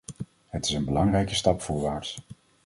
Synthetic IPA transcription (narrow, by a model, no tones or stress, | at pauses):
ɦətɪ̥sənbəlɑŋrɛjkəstɑpfʊːɹʋaːɹts